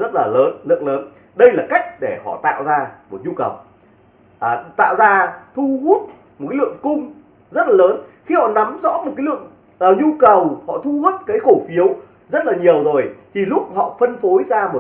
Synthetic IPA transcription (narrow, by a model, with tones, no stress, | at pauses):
zə˦˥t̚laː˨˩ləː˨˦nlɨ̰˧˨əŋləː˨˦n | ɗə˧jlaː˨˩ka˦˥jk̟̚ɗe˧˩hɔ̰˧˨t̪a̰ː˧˨wzaː˧mo˨˩t̚ɲu˧kə˨˩w | ʔaː˨˩t̪a̰ː˧˨wzaː˧t̪ʰu˧hu˦˥ət̚ | mo˨˩t̚ka˨˦lɨ̰˧˨əŋkʊ˧ŋ͡m | zə˦˥t̚laː˨˩ləː˨˦nxi˧hɔ̰˧˨na˨˦mzɔ̰˧˥mo˨˩t̚kaː˨˦lɨ̰˧˨əŋ | ʔəː˨˩ɲu˧kə˨˩whɔ̰˧˨t̪ʰu˧hu˦˥t̚kaː˨˦jxo˧˩fi˨˦əw | zə˦˥t̚laː˨˩ɲi˨˩əwzo˨˩jt̪ʰi˨˩lʊ˦˥k͡p̚hɔ̰˧˨fə˧nfo˨˦jzaː˧mo˨˩